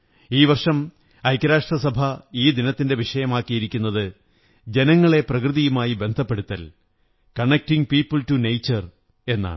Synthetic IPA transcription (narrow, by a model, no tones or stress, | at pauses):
iːʋɐrʂɐm | ɐjkːɐɾaːʂʈrɐsɐbʱɐiːd̪inɐt̪ːinde̞ʋiʂɐjɐmaːkːijiɾikʲːunːɐðɨ | d͡ʑe̞nɐŋːɐɭe̞prɐkrɨðijumaːjibe̞nd̪ʱɐpːe̞ɽut̪ːɐl | kɐɳek̚tiŋpiːpːɨltunejt͡ɕːɐr | e̞nːa̰ːɳɨ